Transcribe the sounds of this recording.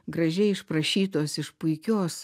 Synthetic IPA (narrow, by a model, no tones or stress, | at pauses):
ɡɾɐʒʲɛɪɪʃpɾɐʃʲiːt̪oːsɪʃpʊɪkʲoːs